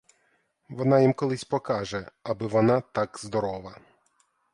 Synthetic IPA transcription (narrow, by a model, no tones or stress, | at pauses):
ʋɔnɑjimkɔlˠɪsʲpɔkɑʒɛɐbɪʋɔnɑt̪ɑɡzd̪ɔɾɔʋɐ